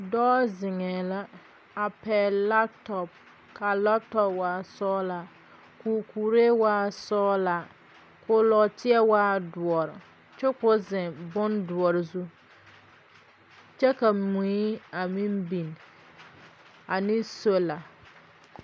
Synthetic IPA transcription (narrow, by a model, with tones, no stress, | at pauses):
dɔː˦zɪ˨ŋɛː˨la˦ | a˨pɛ˨la˦tɔ˨p̚ | ka˨la˦p̚tɔ˦pwaː˨sɔː˦la˨ | kuː˨kuː˨ɾe˦waː˦sɔː˦la˨ | kʊ˦lɔ˨tɪ˦ɛ˦waː˦dʊ˨ɔ˨ɾɪ˨ | t͡ʃʊ˦kʊ˦zɪ˨bʊ˦ndʊ˨ɔ˨ɾɪ˨zu˦ | t͡ʃɛ˦ka˨mu˨i˦a˨mi˦mbi˨n | a˨nɪ˦so˦la˨